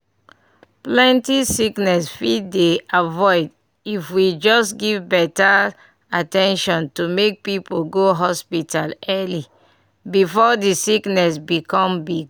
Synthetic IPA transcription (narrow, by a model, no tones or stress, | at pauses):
plɛ̃ntisiknɛsfiddeavɔɪd | ifwid͡ʒɔsɡivbɛta | atɛ̃nʃɔ̃ntumek̚pipoɡoɦɔspitalɛli | bifɔdisiknɛsbikɔ̃mbiɡ̚